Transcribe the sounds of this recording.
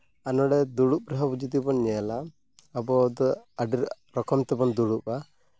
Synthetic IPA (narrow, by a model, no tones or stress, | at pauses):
anɔɽɛd̪uɽup̚ɾɔɦabud͡ʒid̪ibɔnɲɛla | abɔd̪ɔaɖiɾ | ɾɔkɔmt̪ɛbɔnd̪uɽupa